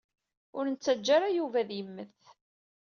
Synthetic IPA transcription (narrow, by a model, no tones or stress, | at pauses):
ʊɾnət͡sːæd͡ʒːaɾajuvæðjəmːəθ